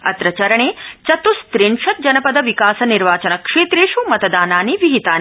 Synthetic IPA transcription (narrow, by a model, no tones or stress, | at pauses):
ɐ̰t̪ɾɐt͡ʃɐɾɐɳeːt͡ʃɐt̪ust̪ɾiɳʂɐt̪̚d͡ʒɐnɐpɐd̪ɐʋikaːsɐniɾʋaːt͡ʃɐnɐkʂeːt̪ɾeːʃumɐt̪d̪aːnaːniʋiɦit̪aːn